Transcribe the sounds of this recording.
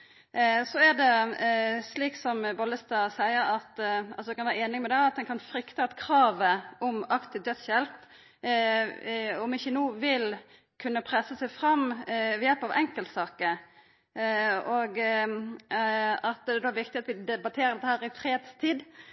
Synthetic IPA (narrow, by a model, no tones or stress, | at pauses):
sɔæd̪ɛ | sliːksɔmbɑlːəst̪ɑsæɪəɾɑt̪sɔd̪ɛkɑnʋæːɾəeːnɪŋmɛd̪ɛɑt̪̚d̪ɛnkʰɑnfɾʏkt̪əɑt̪kʰɾɑːʋəɔmɑkt̪ɪd̪œd̪sçjɛlp | ɔmɪçːənuːʋɪl | kʰʉnːəpʰɾɛsəsæɪfɾɑmːʋɪjɛlpɑʋʔɛŋkəlt̪sɑːkə | oːɡ | ɑt̪ɛd̪oːɾʋɪkt̪ɪɑt̪ʋɪd̪ɛbɑt̪ʰeːɾəd̪ɛt̪ːəhæːɾɪfɾeːd̪st̪ʰiːd̪